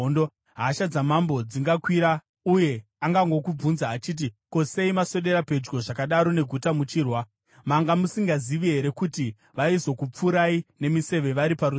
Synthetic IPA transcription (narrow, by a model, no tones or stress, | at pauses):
ndo | ɦaːʃad͡zamambo̞d͡ziŋɡakwiɾa | uje̞ | aŋɡaŋɡo̞kub͡vunzaːt͡ʃiːt̬iko̞se̞imaso̞ɗe̞ɾape̞d͡ʒɡo̞ʐakaɗaɾo̞ne̞ɡʱutamut͡ʃiːrwa | maŋɡamusiŋɡaziʋiɦe̞ɾe̞kuti | ʋaizo̞kup͡fuɾaine̞mise̞ʋe̞ʋaɾipaɾu